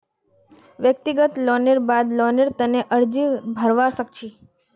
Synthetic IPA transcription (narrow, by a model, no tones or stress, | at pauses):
ʋjək̚t̪iɡət̪lɔneɾbad̪lɔneɾt̪əneʔəɾd͡ʒibʱəɾʋaʃəkt͡ʃʰi